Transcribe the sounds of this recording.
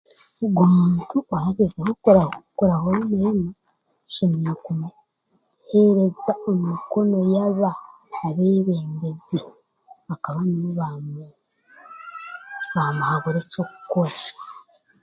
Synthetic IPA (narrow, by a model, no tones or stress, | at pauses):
ɡwomuːntuaɾaɟezehokɾakoɾaɦoɾimiɾana | ʃeminakum | heɾezaomiko̞no̞jaβaː | βeːβeːmbezi | akaβaniβam | βamuhaɡoɾeco̞kuko̞ɾa